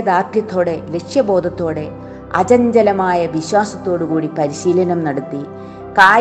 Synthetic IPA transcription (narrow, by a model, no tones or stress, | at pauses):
ɐd̪aːrt̪jɐt̪ːo̞ːɽe̞le̞kʂjɐbo̞ːd̪ʱɐt̪ːo̞ːɽe̞ | ɐt͡ɕɐɲd͡ʑɐlɐmaːjɐʋiɕwaːsɐt̪ːo̞ːɽukuːɽipɐɾiɕiːlɐnɐmnɐɽut̪ːi | kaː